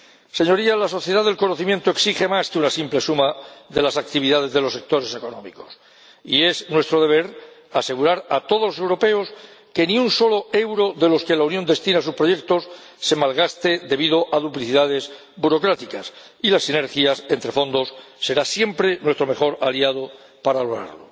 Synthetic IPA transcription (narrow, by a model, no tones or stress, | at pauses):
se̞ɲo̞ɾialaso̞θje̞ð̞aðe̞lkonoθimje̞nt̪oeksiχe̞maskeunasimplesumaðe̞lasak̚t̪iβ̞iðað̞e̞zðe̞losːe̞k̚t̪o̞ɾe̞seko̞nõ̞mḭko̞̥s | ḭe̞znwe̞st̪ɾo̞ð̞e̞β̞e̞ɾase̞ɣ̞uɾaɾat̪o̞ð̞olose̞wɾo̞pe̞oske̞nĩunso̞loe̞wɾo̞ðe̞lo̞ske̞launjo̞nd̪e̞st̪inas̬uspɾo̞ʝe̞k̚t̪o̞sː | e̞malɣ̞ast̪e̞ðe̞βiðo̞ʔaðupliθiðaðe̞z | buɾo̞kɾat̪ikas | ilasːine̞ɾxjase̞nt̪ɾe̞fo̞nd̪o̞sːe̞ɾasje̞mpɾe̞nwe̞st̪ɾo̞me̞χo̞ɾaliað̞o | paɾaloɾa̰ɾlo̰